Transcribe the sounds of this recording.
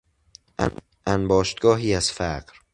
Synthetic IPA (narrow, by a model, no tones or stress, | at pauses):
ʔænbɒːʃt̪̚ɡɒːɦiːæz̥fæɢɾ